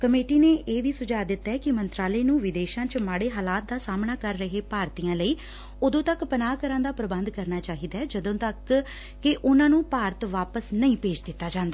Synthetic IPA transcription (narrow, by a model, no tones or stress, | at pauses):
kəmeːʈiːneːʔeːʋiːsʊd͡ʒaːd̪ɪt̪ːaɛːkɪmənt̪ɾaːləeːnũːʋɪd̪eːʃãːt͡ʃəmaːɽeːɦaːlaːt̪̚d̪aːsaːmnaːkəɾːəɦeːpaːɾt̪iːjãːləiː | ʊd̪õːt̪əkpənaːkəɾãːnd̪aːpɾəbənd̪kəɾnaːt͡ʃaːɦiːd̪aːɛd͡ʒəd̪õːt̪əkː | ɪʔʊnãːnũːpaːɾət̪ʋaːpəsnəĩːpeːd͡ʒd̪ɪt̪ːaːd͡ʒãːnd̪aː